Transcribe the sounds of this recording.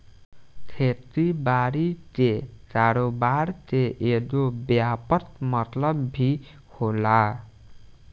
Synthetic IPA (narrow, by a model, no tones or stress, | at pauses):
kʰet̪ibaɾit̪ekaɾobart̪eʔed̪objapʌt̪mʌt̪lʌbːʱi | hola